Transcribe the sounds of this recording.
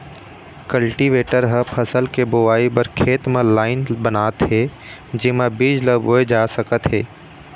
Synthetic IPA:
kəlʈiʋeːʈəɾɦə̃pʰəsəlkebʊʋaːipɐɾkʰeːt̪mẽlaːɪnbənaːt̪ɦe | d͡ʒɪmãbiːd͡ʒləboːed͡ʒaːsəkət̪ɦeː

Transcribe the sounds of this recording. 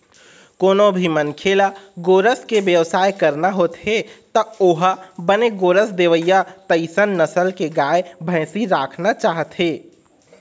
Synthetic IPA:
koːnobʱimənkʰeːlaɡoːɾəskeʋjəʋsaːjkəɾnaɦoːt̪ɦet̪ɔoɦbəneɡoːɾəsd̪eːʋəjat̪əɪsənːəsəlkeɡaːebʱə̃ɪ̃siɾaːkʰnat͡ʃaːɦət̪ɦeː

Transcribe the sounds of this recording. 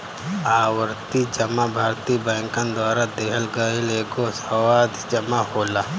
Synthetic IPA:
aːwəɾt̪id͡ʒɐmabʱaːɾt̪ibɛ̃ːŋkand̪waːɾad̪eɦəlɡɐɪleːɡosɐwaːd̪d͡ʒɐmahoːlaː

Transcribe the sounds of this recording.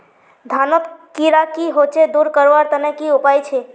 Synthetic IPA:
d̪ʱanot̪kiɾakiɦot͡ʃʰed̪uɾkəɾoaɾt̪ənekiupajt͡ʃʰe

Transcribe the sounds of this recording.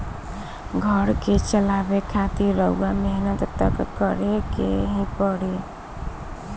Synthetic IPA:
ɡʱəɾket͡ʃəlabekʰat̪iɾɾəuameɦinət̪t̪ə̰kkəɾekḛɦĩpəɽi

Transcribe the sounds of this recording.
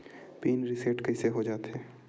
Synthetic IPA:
piːnɾɪseːʈkəɪseɦod͡ʒaːt̪ɦɛː

